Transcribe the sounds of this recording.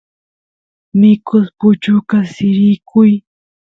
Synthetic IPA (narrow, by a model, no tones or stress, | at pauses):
mɪkʊspʊt͡ʃʊkasɪɾɪkʰʊj